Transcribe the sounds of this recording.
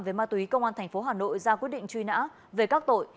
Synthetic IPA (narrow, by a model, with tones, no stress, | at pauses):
ve˨˩maː˧t̪ːi˨˦kə˧wŋ͡mʔaː˧nt̪ʰɛ˨˩jŋ̟fo˨˦ɦaː˨˩no̰˧˨jzaː˧kwi˦˥ət̚ɗḭ˧˨ŋ̟t͡ɕwi˧na̰ː˧˥ | ve˨˩kaː˦˥k̚t̪o̰˧˨j